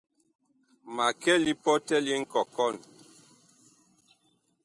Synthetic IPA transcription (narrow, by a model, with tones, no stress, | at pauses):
ma˨kɛ˦li˦pɔ˦tɛ˦li˦ŋ̩˦kɔ˨kɔ˦˨n